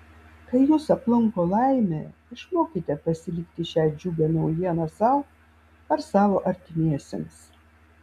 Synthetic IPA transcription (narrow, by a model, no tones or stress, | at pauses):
kɐɪjuːsɐplˠʊŋkoːlˠɐˑɪmʲḛːɪʃmoːkʲɪt̪ʲɛpɐsʲɪlʲɪkt̪ʲɪʃʲæːd͡ʒʲuːbʲɛnɐʊjiɛnɐsɑˑʊ | ɐɾsɑːʋoːʔɐɾʲt̪ʲɪmʲiɛsʲɛ̰mʲs